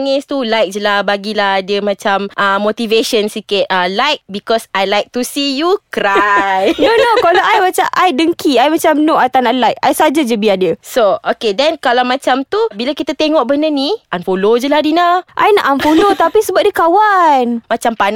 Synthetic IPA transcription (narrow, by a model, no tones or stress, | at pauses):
ŋɪst̪ulajk̚d͡ʒəlahbaɡilahadəmãt͡ʃamʔəmot̪iveʃənsikɪt̪̚ʔalajk̚bikɔsajlajk̚t̪usijukɾajnonokaloʔajmat͡ʃaʔajdəŋkiajmãt͡ʃamnoʔajt̪anaʔlajk̚a̰jsaad͡ʒad͡ʒəbiadəsookedɛnkalawmãt͡ʃamt̪ubilakit̪at̪eŋɔʔbənəniʔanfolod͡ʒəlahdinaʔa̰jna̰ʔanfolot̪apisəbap̚dəkawanmat͡ʃampan